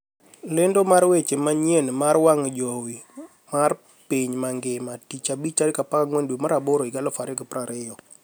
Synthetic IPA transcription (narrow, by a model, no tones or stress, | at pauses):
lɪndomaɾwet͡ʃemaɲjenmaɾwaŋd͡ʒowi | mar | piɲmaŋɡɪmatit͡ʃabit͡ʃaɾɪkapakaŋwendwemaɾaboɾoiɡalɔfaɾɪɡɪpɾaɾɪjɔ